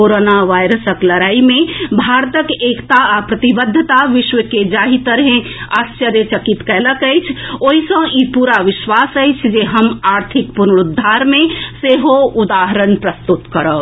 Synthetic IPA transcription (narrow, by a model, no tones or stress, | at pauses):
koɾonaʋajɾəsəklɐɾaːimẽbʱaːɾt̪əkeːkt̪aapɾət̪ibəd̪ʱːət̪aʋɪʃʋəked͡ʒaːɦit̪əɾɦẽast͡ʃəɾjet͡ʃəkit̪kɛːləkəjt͡ʃʰoːɦisə̃ipuːɾaʋɪʃʋasəɪt͡ʃʰd͡ʒeɦəmaːɾt̪ʰikpunɽud̪ʱːaɾmẽseɦoud̪aːɦəɾənpɾəst̪ut̪kəɾə